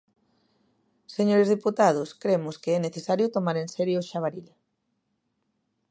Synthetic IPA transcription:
seɲoɾezðiput̪að̞ʊskɾemʊskeɛneθesaɾjʊt̪omaɾensɛɾjoʊʃaβ̞aɾiʎa

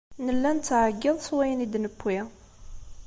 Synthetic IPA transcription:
nəlːænt͡sːʕəɡːɪðˤswæjənid̪nəpːi

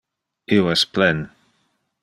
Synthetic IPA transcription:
iwɛspʰlɛn

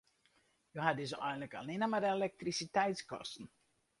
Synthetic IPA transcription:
joɦadɪzʔɛjn̩ləka̰lˠnɪnəmadelɛk̚trisitɛjtskɔ̰stn̩

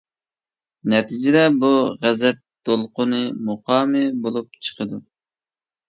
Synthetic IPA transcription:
nɛt̪ʰid͡ʒɪd̪ɛbuʁɛzɛp̚d̪̥olˠqʊnɨmoqɑːmɨbolˠup̚t͡ʃʰə̥qʰəd̪u

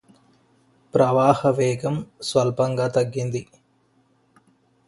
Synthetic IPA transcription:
pɾɐʋaːhɐʋɛːɡɐmsʋɐlpɐŋɡaːt̪ɐɡːind̪i

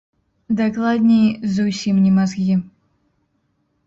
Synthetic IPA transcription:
d̪aklˠad̪ʲnʲejzusʲimnʲimazɡʲi

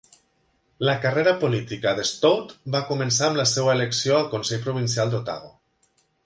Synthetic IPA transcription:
ləkəreɾəpolit̪ikəðest̪owt̪bakumens̬aəmləsewəeleksioalˠkonsɛʎpɾuβ̞ins̬ialˠd̪ot̪a̰ɣ̞o̰

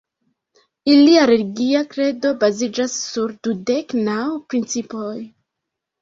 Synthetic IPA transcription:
iliaɾe̞liɡiakɾe̞do̞bazid͡ʒasːuɾdude̞knawpɾint͡sipo̞j

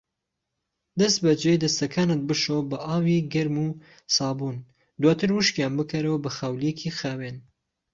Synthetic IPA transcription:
d̪ɐst̪̚bɐd͡ʒed̪ɐst̪ɐkʰaːnɨt̪̚bɨʃobɐʔaːwiɡɐɾmu | saːbuːn | d̪waːt̪ʰɨɾwuʃkjaːnbɨkʰɐɾɐwabɐxawlijekʰixaːwen

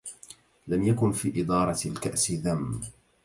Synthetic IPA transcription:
lamjakʊnfiːʔɪd̪ˤɑːɾˤɑlkaʔsɪðamː

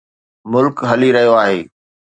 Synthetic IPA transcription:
mʊlkɦɐliɾɐɦijoaːɦeː

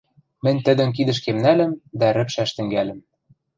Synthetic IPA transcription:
mɘ̆nʲt̪ɘ̆d̪ɘ̆nk̬id̪ɘ̆ʃ̬kemnælɘ̆md̪æɾɘ̆pʃæʃt̪ɘ̆ŋɡælɘ̆m

